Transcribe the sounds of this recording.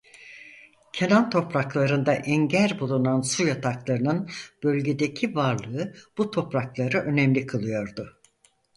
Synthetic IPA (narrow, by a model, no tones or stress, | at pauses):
cʰenant̪ʰo̞pɾaklˠaɾɯnd̪aʔɛɲɟæɾbulˠunansujat̪ʰaklˠaɾɯnɯnb̥ø̞lʲɟe̞d̪ecʰivaɾlˠɯɯb̥ut̪ʰo̞pɾaklˠaɾɯʔø̞nɛmlʲikʰɯlˠɯjo̞ɾd̪ʊ